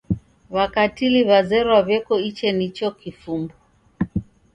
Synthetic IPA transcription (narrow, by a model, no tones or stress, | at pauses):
βakatiliβazɛɾwaβjɛkɔit͡ʃɛnit͡ʃɔkifumbɔ